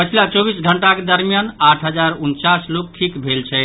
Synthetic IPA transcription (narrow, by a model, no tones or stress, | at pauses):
pət͡ʃʰilat͡ʃobisɡʱəɳʈaked̪əɾmjanaʈʰɦəd͡ʒaɾunt͡ʃaslok̚ʈʰikbʱelt͡ʃʰɛ